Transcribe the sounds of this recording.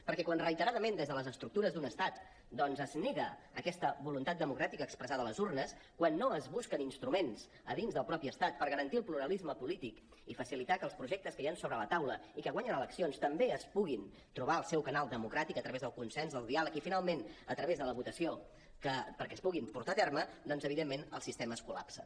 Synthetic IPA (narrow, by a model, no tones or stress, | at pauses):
pəɾkɛkwanrəit̪əɾaðəmend̪ezðələzəst̪ɾuk̚t̪uɾəzd̪unəst̪at̪ | d̪ɔnzəzneɣəː | kɛst̪əβulunt̪at̪̚d̪əmukɾat̪ikəkspɾəzaðələzurnəskwanːoəzβuskəninst̪ɾumens | ə̰ðinzðəlˠpɾɔpiəst̪at̪̚pəɾɣəɾənt̪iəlˠpluɾəlizməpulit̪ik | ifəsilit̪akəlˠspɾuʒɛk̚t̪əskəjansoβɾələt̪awlə̰ikəɣwaɲənələksionst̪əmbeəspuɣin | t̪ɾuβ̞aəlˠsɛwkənalˠd̪əmukɾat̪ikət̪ɾəβezðəlˠkunsɛnzðəlˠd̪ialəkifinalˠmenət̪ɾəβezðələβut̪əsio | kəpəɾkɛəspuɣimpuɾt̪at̪ɛrməd̪ɔnzəβ̞iðemːenəlˠsist̪eməːskula̰psə